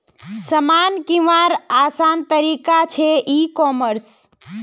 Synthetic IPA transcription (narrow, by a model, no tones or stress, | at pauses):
səmankiʋaɾasant̪əɾikat͡ʃʰeʔikɔməɾs